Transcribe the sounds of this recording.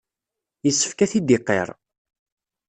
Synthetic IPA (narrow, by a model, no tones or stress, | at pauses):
jəsːə̥fkæθid̪ɪqːḛɾˤ